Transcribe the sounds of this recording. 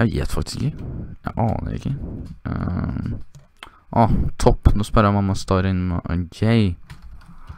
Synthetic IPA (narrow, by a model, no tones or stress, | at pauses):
æjḛːt̪fɑkt̪ɪ̥sɪkːəjæɪʔɑːnə̰ɾɪ̰kːə | ʔɔht̪ʰɔpːnɔspœɾəmɑmːɑst̪ɑːɾɪnːmɛʔɡɛɪ